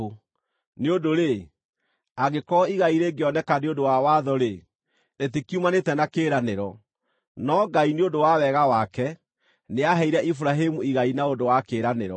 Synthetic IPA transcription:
o | neodoɾe | aɣekɔiɣaiɾeɡeɔnɛkaneondowawaðɔɾe | netekiumanetɛnakeːɾaneɾɔ | nɔɡaineondowawɛɣawakɛ | neaɦɛiɾɛʔifuɾaɦemuiɣainaondowakeːɾaneɾɔ

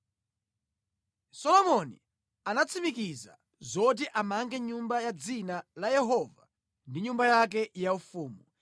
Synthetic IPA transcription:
sɔlɔmɔnḭ | anat͡sʰimikiza̰ | zɔt̬iʔamaŋɡɛɲumbajad͡zinalajɛɦɔva | ndiɲumbajak̬ɛjaufuːmu

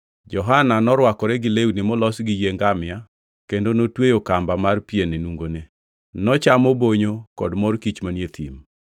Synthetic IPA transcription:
d͡ʒɔɦananɔɾwakɔɾɛɡɪleunimɔlɔsɡijeŋɡamɪa | kendonotwejokambamarpienenuŋɡone | nɔt͡ʃamɔboɲokɔdmɔrkit͡ʃmanjet̪ʰḭm

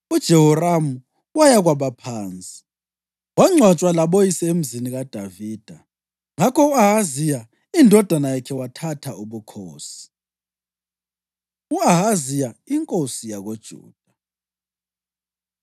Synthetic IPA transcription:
ud̥ʒ̥ʱɛhɔramu | wajaɣwaβapʰaːnt͡sʼi̥ | waŋ͡ǀʱwat͡ʃʼwalaɓojisɛem̩ziniɣad̥ʱaviːd̥ʱa | ŋakʰɔuaɦazija | indʱɔd̥ʱanajakʰɛwatʰatʰauβukʰoːsi̥ | uaɦazijaiŋkʼosijaɣod̥ʒ̥ʱṵːd̥ʱa

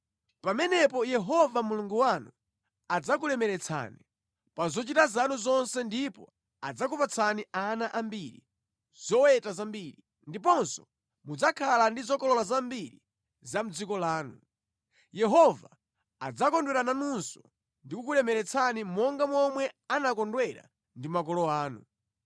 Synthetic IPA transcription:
pamɛnɛpɔjɛɦɔvamuluŋɡuwanu | ad͡zak̬ulɛmɛɾɛt͡sʰa̰ni | pazɔt͡ʃitazanuzɔnsɛndipɔ̰ | ad͡zak̬upat͡sʰanianaʔambiɾḭ | z̥ɔwɛtazambiɾi | ndipɔnsɔ̥ | mud͡zakʰalandizɔkɔlɔlazambiɾi | zam̩d͡zikɔlaːnu | jɛɦɔva̰ː | d͡zakɔndwɛɾananunsɔ | ndikukulɛmɛɾɛt͡sʰanimɔŋɡamɔmwɛanakɔndwɛɾa̰ | ndimak̬ɔlɔaːnṵ

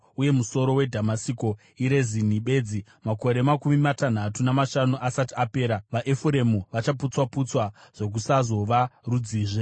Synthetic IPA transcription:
uje̞muso̞ɾo̞we̞dʱamasiko̞ | iɾe̞zin̤iɓe̞ːd͡zi | mako̞ɾe̞makumimatan̤atunamaʃanuʔasatiape̞ːɾaʋaʔefuɾe̞muʋat͡ʃaput͡swaput͡swaʐ̥o̞k̬usazo̞ʋarud͡ziːʐe

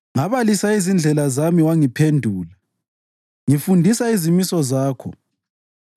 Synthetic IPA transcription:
ŋaβalisaizind͡ɮʱɛlazamiwaŋipʰendʱuːla | ŋifundʱisaizimisɔzaːkʰɔ̰

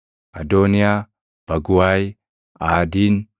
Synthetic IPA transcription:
adonia | b̥ɐɡuwaj | adin

